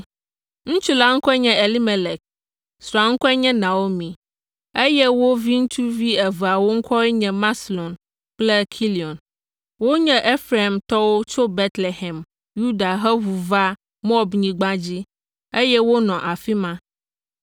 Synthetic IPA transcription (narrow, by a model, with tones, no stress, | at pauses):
ŋũ˦t͡ʃu˦la˦ŋ̩˦kɔ˦ɛ˦ɲɛ̃˦e˨li˦me˨lɛ˨k̚ | sɾɔ˨a˨ŋ̩˦kɔ˦ɛ˦ɲɛ̃˦nã˨wo˦mĩ˨ | e˦jɛ˦wo˦vi˦ŋũ˦t͡ʃu˦vi˦ɛ˨vɛ˨a˨wo˦ŋ̩˦kɔ˦ɛ˦ɲɛ̃˨mã˦slɔ̃˨n | k͡plɛ˦kʰi˦li˨ɔ˨n | wo˦ɲɛ̃˦ʔe˦fɾe˨e˨mt̪ɔ˦wo˦t͡ʃo˦be˦t̪le˨ɦɛ˨m | ju˦da˨ɦɛ˦ɦu˨va˦ | mɔ˦ɔ˨bɲĩ˨ɡ͡bã˦d͡ʑi˦ | e˦jɛ˦wo˦nɔ̃˨ʔa˨fi˦mã˦